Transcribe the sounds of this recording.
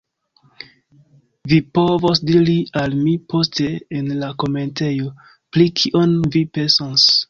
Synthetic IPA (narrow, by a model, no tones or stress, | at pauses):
vipo̞vosdiɾialmipʰo̞ste̞ːnlako̞me̞nte̞jo | pɾikʰiʔonvipensos